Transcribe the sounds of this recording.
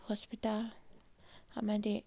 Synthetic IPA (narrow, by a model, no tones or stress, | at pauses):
hɔspit̪al | amãde